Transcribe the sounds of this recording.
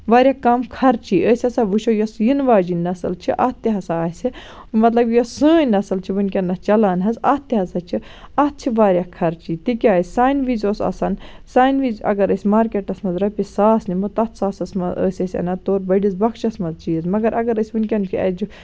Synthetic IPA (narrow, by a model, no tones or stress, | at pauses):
ʋaːɾʲjaːkaːmkʰɐɾt͡ʃʰiːʔəːsʲɐsaʋuʃojɐsjinʋaːd͡ʒinnːɐsɐlt͡ʃʰiʔat̪ːiɦɐsaːsʲɨ | mɐt̪lɐbjɐsəːnɐsɐlt͡ʃʰiʋɨnʲkʲɐnːɐt͡ʃɐlaːnɦɐzɐt̪ːiɦɐsɐt͡ʃʰi | ɐt̪̚t͡ʃʰiʋaːɾʲjakʰɐɾt͡ʃiːt̪ikʲaːisʲsaːjnʋiːzʲoːsɐ̰sɐnsaːnʋiːzɐ̰ɡɐɾəsʲmaːɾkeʈɐsmɐzɾɐpʲisaːsnimut̪ɐt̪ʰsaːsɐsmɐzə̰ːsʲɐsʲɐ̰nɐt̪oːɾbɐɖizbɐkʰt͡ʃɐsmɐzt͡ʃiːɐzmɐɡɐɾʔɐɡɐɾəsʲʋɨnkʲɐnt͡ʃʰiɐ̰d͡ʒu